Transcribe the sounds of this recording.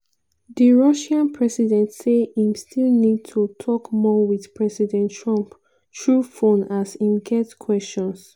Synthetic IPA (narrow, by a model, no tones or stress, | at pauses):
diɹɔʃãnpʰɹɛsidɛ̃ntseĩmstilnid̚tʰutʰɔkmɔwið̥pʰɹɛsidɛ̃ntʰɹɔ̃mp | tɹufõnasĩmɡɛtkʰwɛst͡ʃɔ̃ns